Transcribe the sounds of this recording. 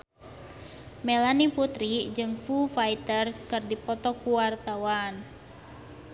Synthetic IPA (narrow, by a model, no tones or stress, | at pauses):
melaniput̪ɾid͡ʒɨŋfufait̪ərkɨrdipɔt̪ɔkuwart̪awan